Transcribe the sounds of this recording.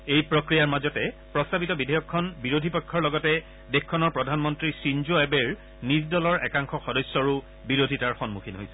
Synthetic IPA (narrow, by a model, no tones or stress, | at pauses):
ejpɹɔkɹijaɹmazɔtɛ | pɹɔstabitɔbidʱejɔkʰːɔnbiɹodʱipɔjkʰːɔɹlɔɡɔtɛ | dexkʰːɔnɔɹpɹɔdʱanmɔntɹisinzoɛbeɹ | nisdɔlɔɹɛ̰kaŋxɔxɔdɔjsːɔɹu | biɹodʱitaɹxɔnmukʰinɦo̰jsɛ̥